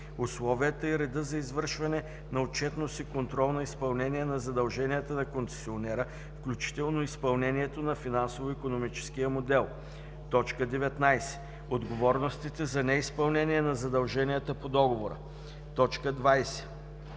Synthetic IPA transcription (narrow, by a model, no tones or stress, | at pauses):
ʊslˠɔvijət̪əiɾɛd̪əzɐizvɤɾʃvɐnɛ | nɐot͡ʃɛt̪nosikont̪ɾɔlˠnɐispɐlˠnɛniɛnɐzɐd̪ɐlˠʒɛnijət̪ənɐkonsɛ̥sionɛɾə | fklʲut͡ʃi̥t̪ɛlˠnoispɐlˠnɛniɛt̪onɐfinansovoikonomit͡ʃɛ̥skijəmod̪ɛlˠ | t̪ɔt͡ʃkəd̪ɛvɛt̪najsɛ̥ | od̪ɡovɔɾnost̪it̪ɛzɐnɛispɐlˠnɛniɛnɐzɐd̪ɐlˠʒɛnijət̪əpod̪ɔɡovoɾə̰ | t̪ɔt͡ʃkəd̪vajsɛ̥